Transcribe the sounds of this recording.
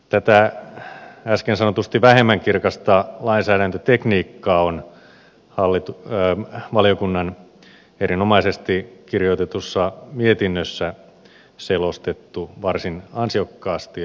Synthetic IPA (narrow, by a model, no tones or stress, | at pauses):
t̪æt̪æ | æskensɑnot̪ust̪iʋæhemːæŋkirkɑst̪ɑlɑinsæːɾænt̪øt̪ekniːkːɑːon | hɑlːit̪u | ʋɑliokunːɑn | erinomɑisest̪ikirjot̪et̪usːɑmiet̪inːøsːæ | selost̪et̪ːuʋɑrsinɑnsiokːɑːst̪i